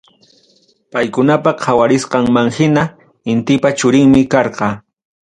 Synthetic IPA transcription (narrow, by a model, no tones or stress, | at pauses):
pajkʊnapɑqʰawaɾɪsqɑŋmaŋhɪna | ɪnt̪ɪpat͡ʃʊɾɪŋmɪkɑɾqɑ